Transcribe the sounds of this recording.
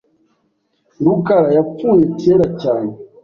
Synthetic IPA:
ɾukaɾajap͡fuːjeteːɾacaːne

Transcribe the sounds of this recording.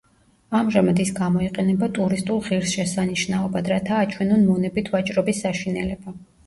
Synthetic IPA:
amʒamad̪isɡamɔiqʼɛnɛbat̪ʼuɾist̪ʼulˠʁiɾsʃɛsaniʃnaɔbad̪ɾat̪ʰaːt͡ʃʰwɛnunmɔnɛbit̪ʰvat͡ʃʼɾɔbisːaʃinɛlɛba

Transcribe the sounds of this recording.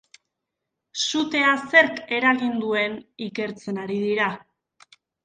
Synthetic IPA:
sut̪e̞ase̞ɾke̞ɾaɣind̪ue̞nike̞ɾt͡se̞naɾiðiɾa

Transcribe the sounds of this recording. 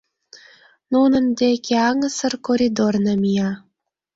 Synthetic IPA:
nunə̆md̪ekʲeɑŋəsərkoɾʲid̪ornɑmijɑ

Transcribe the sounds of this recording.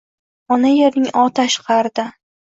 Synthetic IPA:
ɒnajeɾnɪŋʔɒt̪ʰaʃqʰɑɾd̪ɪ

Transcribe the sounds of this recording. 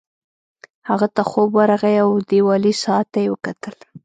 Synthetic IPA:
haɣat̪axobwaɾaɣajawd̪ewɑlisɑat̪ːajewəkat̪ʰəl

